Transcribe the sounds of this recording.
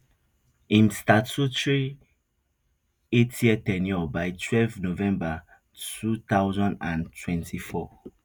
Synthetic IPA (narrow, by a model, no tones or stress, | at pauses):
ĩmstatʰutɹi | etʰjɛtɛ̃njɔbaɪtʰwɛlvnovɛ̃mba | tʰutaʊzɔ̃ndãntʰwɛ̃ntʰifɔ